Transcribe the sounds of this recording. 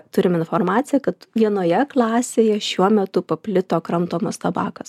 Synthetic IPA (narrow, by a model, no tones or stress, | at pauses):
t̪ʊɾʲɪmɪnfoːrmɑːt̪sʲɪjɛkɐt̪ʋʲiɛnoːjɛklˠɑːsʲeːjɛʃʲuɔmʲɛt̪ʊpɐpʲlʲɪt̪oːkɾɐmt̪oːmɐst̪ɐbɑːkɐs